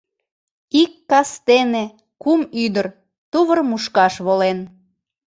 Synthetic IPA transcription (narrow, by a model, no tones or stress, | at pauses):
ikːɑst̪ene | kumyd̪ər | t̪uβərmuʃkɑʃβolen